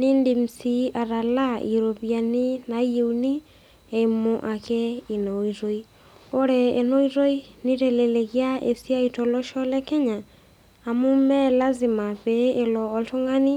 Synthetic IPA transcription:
ni˦ndi˨m̩sia˨ɾa˨la˦ḭɾo˨βja˨ni˦na˨ieuni˦ | e˨moʔa˨ke˦i˨noiɾo˦i | oɾɛː˨no˦iɾo˦i˦ni˦ɾɛ˨le˨le˨ɣjaḛ˨sja˦itɔ˨lɔ˦ʃɔ˦lɛ˦kɛ˦ɲaː˨ | mu˦mɛ˦la˦zi˨ma˨βee˨lɔːto˦ŋa˦ni˦

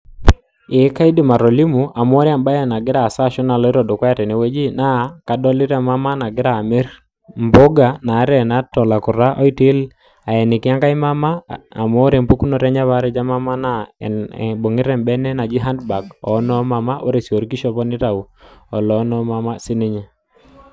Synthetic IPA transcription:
e˨˦ka˦i˦di˨ma˨ɾɔ˨li˦mu˨a˨m˦ɔ˦ɾa˨mba˦jɛ˨na˨ɡɪ˦ɾa˨sa˦˨ʃɔ˦na˨lɔ˦i˦ɾɔ˨do˨kwa˦ja˦tɛ˨ne˨wɛ˦d͡ʒi˦na˦ka˨dɔ˦lɪ˦ɾa˨ma˦ma˦na˨ɡɪ˦ɾa˨me˦ɾ | mbo˦ɡa˨na˨˦ɾɛ˨na˦tɔ˨la˨ku˨ɾa˦ʔɔ˦i˦ti˦l | a˨jɛ˨nɪ˨ki˦a˦ŋka˦i˦ma˦ma˦a̰˨mɔ˦ɾɛ˨mpu˦ku˦nɔ˨ɾɛ˦ɲa˦βa˦ɾɛ˦d͡ʒa˦ma˦ma˦na̰˦˨ | bo˨ŋɪ˦ɾɛ˨mbɛ˦nɛ˦na˨d͡ʒi˦ɦa˦ndba˨ɡɔ̰˨˦nɔ˦ma˨ma˦ʔo˦ɾe˨si˨o˨ɾki˦ʃɔ˦pɔ˦nɪ˦ɾa˨u˨ɔ˨lɔ˨˦nɔ˦ma˦ma˦si˦ni˦ɲɛ˨

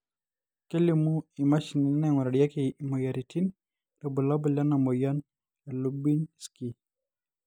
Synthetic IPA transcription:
ke˦li˨mu˦i˨ma˦ʃi˨ni˨˦nɛ˦ŋwɔ˨ɾa˨dja˦ki˨mo˨ja˨ɾi˨ti˦n | lo˨bɔ˨la˦bɔ˨la˦na˨mo˨ja˦n | a˨lubi˦nski˦

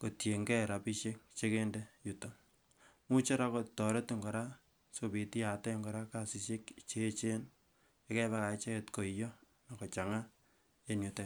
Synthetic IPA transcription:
ko˨tje˨ŋɡɛ˦˨ɾa˨pi˦ʃe˦k̚t͡ʃe˦ke˦nde˦ju˨to˨ | mu˦t͡ʃe˦ɾa˦kɔ˨tɔ˨ɾe˦ti˦ŋɡɔ˨ɾa˦ | sopi˨ti˦ja˨tɛ˦ŋɡɔ˨ɾa˦ka˦si˨se˦kt͡ʃe˦t͡ʃe˦n | e˦kɛ˦βa˦ka˨e˦t͡ʃe˦ke˦tko˨ijɔ˦ | na˨kɔ˨t͡ʃa˨ŋa˦ | e˦njo˨tɛ˨

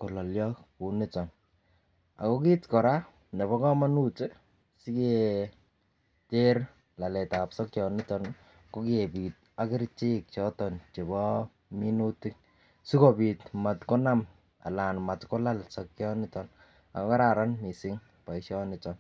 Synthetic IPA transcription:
ko˨lɔ˨ljɔ˦ku˨nɪ˦t͡ʃɔ˨n | a̰˨ko˦ki˦tkɔ˨ɾa˦ | ne˨βɔ˦kɔ˦ma˦nu˦t͡ʃe˦ | si˦ke | te˦r | la˨lɛ˨tapsɔ˦kt͡ʃjɔ˨nɪ˦t͡ʃɔn | ko˦ke˨piː˨t̚a˦kɪ˦ɾt͡ʃi˦k̚t͡ʃɔ˦tɔ˨nt͡ʃe˨bɔ˦ | mi˦nu˦ti˦k̚ | su˦kopi˨tma˨tkɔ˦na˦m | a̰˨la˨nma˨tkɔ˦la˦lsɔ˨k̚t͡ʃjɔnɪ˦t͡ʃɔ˨n | a̰˨ko˦ka˦ɾaɾa˦nmi˨sɪ˦ŋ | pa˨iʃjɔnɪ˨t͡ʃɔn

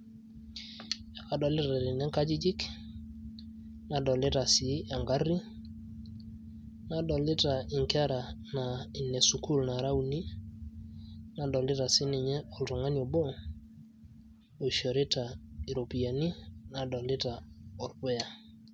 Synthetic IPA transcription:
ja˨ka˨dɔ˨lɪ˦ta˨ɾɪ˨nɛ˦ŋka˦d͡ʒi˦d͡ʒɪ˦k | na˨dɔ˨lɪ˦ɾa˨sɪ˨˦a˨ŋɡa˦ri˦ | na˨dɔ˨lɪ˦ta˨ɪ˨ŋka˦ɾa˨na˨i˨ne˨su˨ku˦lna˨ɾa˦u˨ni˦ | na˨dɔ˨lɪ˦ta˨sɪ˦nɪ˨ɲɛ˦ɔ˨ltɔ˨ŋa˦no˨bo˦ | o˨ʃiɔ˨ɾe˦ta˨i˨ɾo˨pi˨a˨ni˦na˨dɔ˨lɪ˦ta˨ɔ˨ɾpɛ˦ja˨

